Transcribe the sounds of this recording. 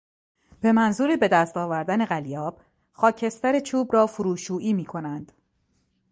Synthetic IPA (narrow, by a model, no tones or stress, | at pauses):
b̥e̞mænzuːɾibe̞d̪æst̪ɒːvæɾd̪æne̞ɣælijɒːb̥ | xɒːcʰe̞st̪æɾet͡ʃʰuːbɾɒːfuɾuːʃuːʔiːmiːkʰo̞nænd̪̥